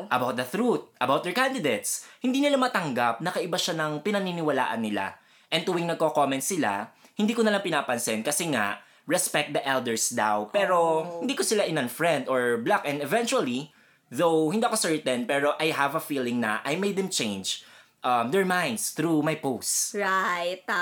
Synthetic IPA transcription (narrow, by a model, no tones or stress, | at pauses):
ʔɐbawt̪̚d̪ɐθɾut̪̚ʔɐbawt̪̚d̪ɛɹkand̪ɪd̪ejt̪shɪnd̪iːnɪlamɐt̪ɐŋɡap̚nɐkɐʔɪbaʃanɐŋpɪnɐninɪwɐla̰ːʔɐ̰nːɪla̰ | ʔɛ̃nt̪uwɪŋnɐɡ̚kokomɛ̃nt̪sɪla̰hɪnd̪iːkonɐlaŋpɪnaːpɐnsɛnkɐsɛŋa̰ʔ | ɹɛspɛk̚t̚d̪ɐʔɛld̪ɛɹsd̪awpɛɾohɪnd̪iːkosɪlaʔɪnanfɹɛ̃nd̪oɹblakʔɛ̃nɛvɛnt͡ʃuɐli | ðowhɪnd̪iːʔkosɛɹt̪ɛnpɛːɾo̞ʔajɦavɐfiːlɪŋnɐ̰ʔajmejd̪̚ɛmt͡ʃẽjnd͡ʒ | ʔɐmd̪ɛɹmãjnd̪sθɾumajpowsɹajt̪